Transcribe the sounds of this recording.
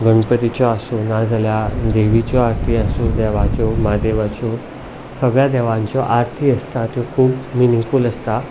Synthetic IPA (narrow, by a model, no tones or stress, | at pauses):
ɡəɳpət̪it͡ɕɔasonad͡zaljad̪eʋit͡ɕɔaɾt̪ʰiasod̪ɛʋat͡ɕɔmad̪eʋat͡ɕɔ | səɡɭjad̪ɛʋãɲt͡ɕɔʔaɾt̪ʰiːəst̪at̪jokʰuːbminifuːləst̪a